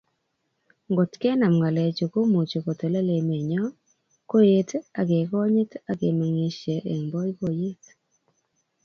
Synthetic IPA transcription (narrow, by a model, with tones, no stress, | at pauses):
ŋɡo˨tke˦na˨mŋɡa˨lɛ˨t͡ʃo˨ko˦mo˨t͡ʃo˨ko˨to˨lɛ˦le˨me˨ɲɔ˦ | ko˦je˦ta˨ɡe˨kɔ˦ɲɪ˦ta˦ɡe˨ma˨ŋe˨ʃe˨ʔe˨mbɔ˦jko˦je˦t